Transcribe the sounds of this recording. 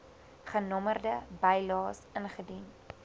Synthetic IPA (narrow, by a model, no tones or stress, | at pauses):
χənɔmərdəbɛjlɑːsənχədin